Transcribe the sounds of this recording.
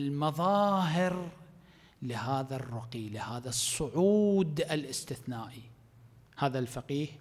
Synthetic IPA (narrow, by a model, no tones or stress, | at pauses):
lmɑðˤɑːɦɪɾ | lɪɦaːðarˤːʊqilɪhaːðasˤːʊʕuːd̪ɪlʔɪst̪ɪθnaːʔi | haːðalfaqiːh